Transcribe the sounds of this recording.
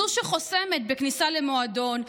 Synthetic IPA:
uʁʃeχo̞semet̪̚beknisalemo̞ad̪o̞n

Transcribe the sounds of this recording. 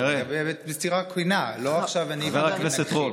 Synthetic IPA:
ʁebeetbistiʁakinaloaχʃavanivaʁakːneset̪ʁo

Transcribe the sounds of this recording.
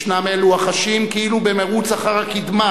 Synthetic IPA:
ʃnameluaχaʃimkiilubemeʁut͡saχaʁhakid̪ma

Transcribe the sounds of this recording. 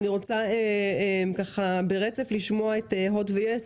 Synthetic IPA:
niʁo̞t͡saeemkaχabeʁet͡se̞fliʃmoaeteɦodvees

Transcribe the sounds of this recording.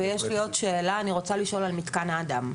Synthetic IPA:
ejɛʃlijo̞tʃeːlaːniʁo̞t͡saliʃo̞lalmit̪kanaːd̪am

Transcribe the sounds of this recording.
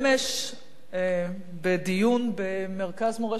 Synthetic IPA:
meʃ | bed̪ijunbemeʁkazmoʁe

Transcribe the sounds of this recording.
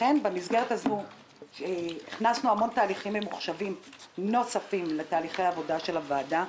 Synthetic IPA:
e̞nbe̞mizɡe̞ʁetazmu | iχnasnuamo̞ntaːliχimvemuχʃavimno̞safimle̞taːliχejavo̞daʃe̞lavaːda

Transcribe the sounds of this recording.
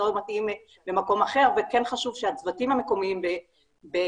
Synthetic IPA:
ojmatim | bemako̞maχe̞ʁvekenχaʃuvʃeat͡svatimhame̞ko̞miimbe | be

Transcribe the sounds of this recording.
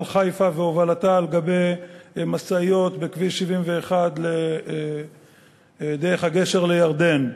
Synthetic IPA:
lχajfaveovalat̪aleɡabe̞jmasaijo̞t̪bekviʃivimve̞ːχad̪le | d̪eʁeχhaɡe̞ʃe̞ʁlejaʁd̪e̞n

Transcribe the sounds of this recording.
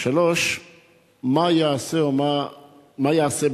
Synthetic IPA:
ʃalo̞ʃ | majaaseoma | majaaseb

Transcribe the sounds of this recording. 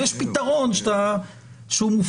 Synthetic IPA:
jeʃpit̪aʁonʃt̪a | ʃumuf

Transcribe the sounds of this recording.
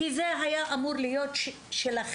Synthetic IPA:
izeɦajaʔamuʁlijo̞t̪ | ʃelaχ

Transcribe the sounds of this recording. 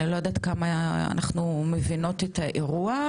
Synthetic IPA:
ilojod̪aːt̪kamaa̰nʔaχnumevino̞tetaʔeʁua

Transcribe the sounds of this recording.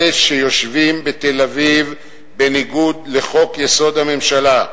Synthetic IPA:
eʃejo̞ʃvimbet̪elaviv | be̞niɡud̪le̞χo̞kjeso̞d̪hame̞mʃala

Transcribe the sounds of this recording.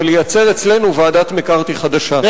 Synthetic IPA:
lejat͡se̞ʁet͡sle̞nuvaaːdat̪mekaʁt̪iχad̪aʃa

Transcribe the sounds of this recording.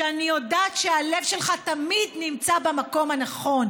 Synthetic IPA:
anijo̞daːt̪ʃealevʃelχat̪amidnimt͡sabamako̞mhanaχo̞n

